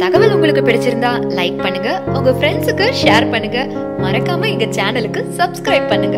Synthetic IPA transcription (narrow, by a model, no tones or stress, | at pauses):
t̪ɐɣɐʋɪlʊŋɡɐɭɯkːɯpɪɽɪt͡ʃːɪɾɯnd̪aːlɐɪk̚pɐɳːɯŋɡɐʊŋɡɐfɾɛɳsɯkːɯʂeːɾpɐɳːɯŋɡɐ | mɐɾɐkːaːmɐɪŋɡɐt͡ʃaːnɐlɯkːɯsɐbskɾɐɪb̚pɐɳːɯŋɡɐ